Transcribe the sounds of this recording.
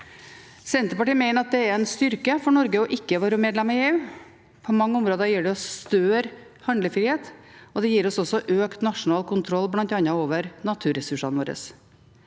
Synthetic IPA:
sɛnt̪ɾəpɑʈiːmæɪnəɾɑt̪̚d̪ɛɛɾɛnst̪ʏɾkəfɔɳɔɾɡəɔʔɪkːəʋoːɾəmeːd̪lɛmɑjeʋ | pʰɔmɑŋːəʊmɾoːd̪ɑjiːɖɛɔst̪øːɾ | hɑnd̪ləfɾiːheːt̪ɔd̪ɛjiːɾɔsɔsɔʔøːkt̪nɑʂʊnɑːlkʰʊnt̪ʰɾɔlːblɑnt̪ɑnɑoːʋəɾnɑt̪ʰʉːɾɛsʉʂɑnʋoːɾə̰s

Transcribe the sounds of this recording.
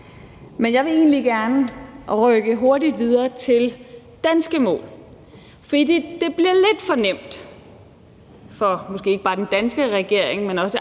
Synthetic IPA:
menjɑ̈ɪʋe̝e̝̰ːnliɡ̥æɐnəʁœɡ̥əɦo̝ɐdid̥ʋið̞ˠɐːt͡sʰe̝l | d̥ænsɡ̥əmɔ̰ːl | fɒd̥ḭːd̥ed̥e̝b̥liɐle̝d̥fɒ̽nem̰d̥ | fɒ̽mɒsɡ̥e̝ːe̝ɡ̥ə̥ɑ̈ːd̥end̥ænsɡ̥əʁɛɡ̥e̝ɐ̰eŋmenɒ̽sə

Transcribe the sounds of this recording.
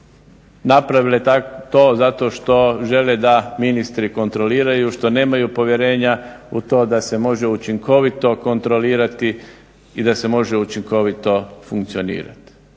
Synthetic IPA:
napɾaʋiloet̪at̪o̞ːzat̪o̞ʃt̪o̞ʒe̞le̞d̪aminist̪ɾiko̞nt̪ɾo̞liːɾajuʃt̪o̞ne̞ːmajupo̞ʋje̞ɾe̞ːɲa | ut̪o̞ːd̪asemo̞ʒe̞ut͡ʃiŋkʰo̞ʋit̪o̞ko̞nt̪ɾo̞liːɾat̪i | id̪ase̞mo̞ʒe̞ut͡ʃiŋko̞ʋit̪o̞fuŋkt̪sio̞nḭːɾa̰t̪i̥

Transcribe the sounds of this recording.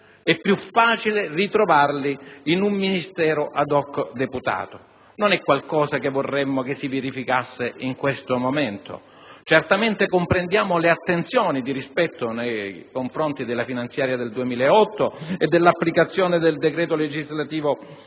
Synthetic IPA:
ɛpːjufːaːt͡ʃilerit̪ɾovarliːnumːinist̪ɛːɾoʔad̪ɔkːd̪eput̪a̰ːt̪o | nonɛkːwalkɔːsakevːorːɛmːokesːiveɾifikasːeʔiŋkwest̪omomɛnt̪o̰ | t͡ʃɛrt̪ament̪ekompɾend̪jaːmoleat̪ːent̪sjɔːnid̪iɾispɛt̪ːonejkoɱfɾont̪id̪elːafinant̪sjaːɾjad̪eld̪uemiːleeɔt̪ːoed̪ːelːapːlikat̪sːjɔːned̪eld̪ekɾɛːt̪oled͡ʒizlat̪iːvo

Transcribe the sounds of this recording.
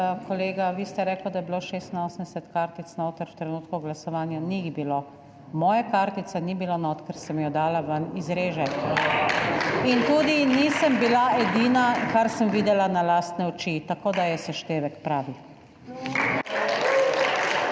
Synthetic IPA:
kʰɔleːɡaʋiːst̪ɛɾɛːklad̪ajɛbiloːʃeːst̪inoːsmd̪ɛsɛt̪kaɾt̪it̪snaoːt̪əɾwt̪ɾɛnuːt̪kuɡlasɔʋaːnjaniɣbiloː | mɔːjakaɾt̪it̪sɛnibilonɔt̪kɛɾsɛmjɔd̪aːlaʋanizɾeːʒɛ | int̪uːd̪iniːsəmbilaʔɛd̪iːnakaɾsəmʋiːd̪ɛlanalaːst̪nɛɔt͡ʃit̪akoːd̪ajɛsɛʃt̪eːʋɛkpɾaːʋi

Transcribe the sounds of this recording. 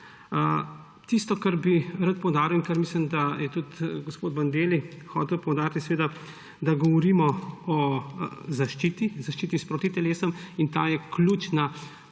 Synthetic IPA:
ə | t̪ist̪ɔkaɾbiɾat̪pɔwd̪aːɾiwiŋkɐɾmislimd̪ajɛt̪ut̪ɡospoːd̪bɐnd̪eːlixɔːt̪ɛwpɔwd̪aːɾt̪isʋeːd̪a | d̪aɡɔʋɔɾiːmɔɔ | zaʃt͡ʃiːt̪izaʃt͡ʃiːt̪ispɾɔt̪it̪ɛleːsɔmint̪aːjɛklʲut͡ʃna

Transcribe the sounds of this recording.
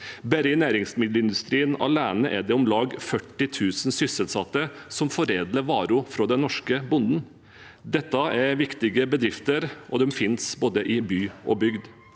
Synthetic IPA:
bæɾɪnæːɾɪŋsmɪd̪ləɪnd̪ʉst̪ɾiːənɑ̰læːnəʔɛɖɛʊmlɑːɡfœʈːɪt̪ʰʉːsn̩sʏsəlsɑt̪ːəsɔmfɔɾeːd̪ləɾʋɑːɾʊfɾɔd̪ɛnnːɔʂkəbʊnd̪n̩ | d̪ɛt̪ːɑæɾʋɪkt̪ɪɡəbəd̪ɾɪft̪əɾʔɔd̪ɛmfɪnsboːd̪əʔɪbyːʔɔbʏɡd̪

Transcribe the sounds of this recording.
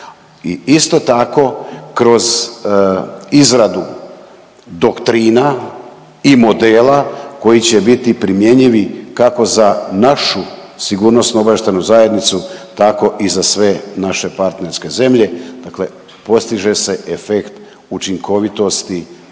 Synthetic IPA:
iist̪o̞t̪ako̞kɾo̞z | izɾad̪u | d̪o̞kt̪ɾiːna | imo̞d̪eːlako̞jit͡ɕe̞bit̪ipɾimje̞ɲiʋikako̞zanaʃu | siɡuːɾno̞snuobaeʃt̪anuzaje̞d̪nit̪sut̪ako̞ʔizasʋe̞naʃe̞paɾt̪ne̞ɾske̞ze̞mʎe̞d̪̥akle̞ | po̞st̪iʒe̞se̞ʔefekt̪ | ut͡ʃiŋko̞ʋit̪o̞st̪i

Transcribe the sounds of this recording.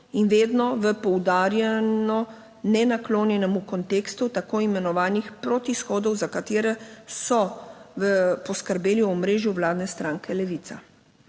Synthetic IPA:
inʋeːd̪nɔʋəpɔwd̪aːɾjɛnɔ | nɛnakloːnjɛnɛmukɔnt̪eːkst̪ut̪akoːimɛnɔʋaːnixpɾɔt̪isxɔːd̪ɔwzakat̪eːɾɛsɔʋəpɔskəɾbeːljiɔmɾeːʒjuʋlaːd̪nɛst̪ɾãːŋkʰɛlɛʋiːt̪sa

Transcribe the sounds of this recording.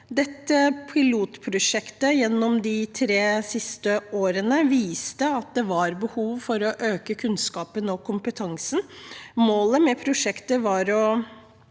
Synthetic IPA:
d̪ɛt̪ːəpʰɪluːt̪pʰɾʊʂɛkt̪əjɛnːɔmd̪ɪt̪ʰɾeːsɪst̪əoːɾənəʋiːst̪əɑt̪̚d̪ɛʋɑɾbəhuːʋfɔɾɔʔøːkəkʰʉnskɑːpənɔkʰʊmpət̪ʰɑŋsn̩moːləmɛpʰɾʊʂɛkt̪əʋɑɾɔ

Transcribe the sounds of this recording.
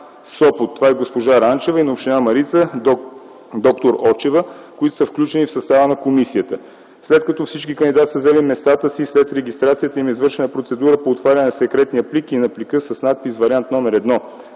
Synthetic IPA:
sɔpot̪ːovaɛɡospoʒaɾant͡ʃɛvəinɐopʃt̪inamɐɾit̪sə | d̪ɔk̚t̪oɾɔɾt͡ʃɛvə | koit̪o̥səfklʲut͡ʃɛnifsɐst̪avənɐkomisiət̪ə | slɛt̪kɐt̪ɔfsit͡ʃkikənd̪ʲid̪at̪isəzɛlimɛst̪at̪əsislɛt̪ɾɛɡʲist̪ɾat̪sijət̪əimizvɤɾʃɛnəpɾot̪sɛd̪uɾəpoːt̪vaɾʲɐnɛnɐsɛkɾɛt̪nijəplikinɐplikɤsɐsnat̪̚pisvɐɾʲiant̪nɔmɛɾɛd̪nɔ

